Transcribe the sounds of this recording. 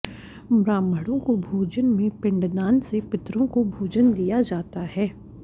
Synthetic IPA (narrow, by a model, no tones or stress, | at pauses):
bɾãːmbʱəɽõkobʱuːd͡ʒənmẽpɪ̃ɳɖd̪aːnsepɪt̪ɾõkobʱuːd͡ʒənd̪ijad͡ʒaːt̪aɦɛː